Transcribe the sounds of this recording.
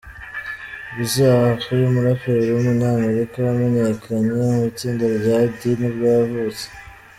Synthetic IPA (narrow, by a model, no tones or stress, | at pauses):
βizaβahakuɾeumuɾafeɾeɾeumuɲaːmeɾikaɾamenekʰaɲamut͡siːndaɾɡadinubɡavut͡se̥